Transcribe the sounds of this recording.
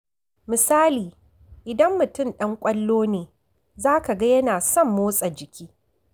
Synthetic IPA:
mɪ˨saː˦liː˨ | ʔɪ˨dɐ˦mːʊ˨tʊ˦mɗɐ˦ŋkʷʼɐ˦lːoː˦neː˨ | zaː˦ka˨ɡɐ˦jɐ˦naː˨sɔ˦˨mːoː˦sʼɐ˨d͡ʒɪ˨kʲiː˦

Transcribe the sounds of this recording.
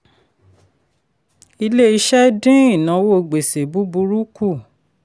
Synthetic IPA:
i˧le˦i˧ʃɛ˦dĩ˦i˦˨nã˨˦wo˦˨ɡ͡be˨se˨bu˨˦bu˧ɾu˦ku˦˨

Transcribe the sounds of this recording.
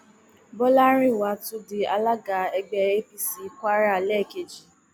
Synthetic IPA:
bɔ˦la˦ɾĩ˦˨wa˨˦tu˦di˧a˧la˦ɡa˨˦ɛ˧ɡ͡bɛ˧e˦fi˦si˨kʷa˦ɾa˦˨lɛ˦˨ke˨d͡ʒi˨

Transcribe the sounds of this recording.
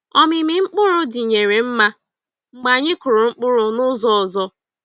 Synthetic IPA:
ɔ˦mɪ˨mɪ˨ŋ͡m̩˦k͡pʊ˦ɾʊ˦dɪ˨ɲe˨ɾe˨m̩˦ma˦ | ŋ͡m̩˨ɡ͡ba˨ɲɪ˦kʊ˨ɾʊ˨ŋ͡m̩˦k͡pʊ˦ɾʊ˨nʊ˦zɔ˦ɔ˨zɔ˦

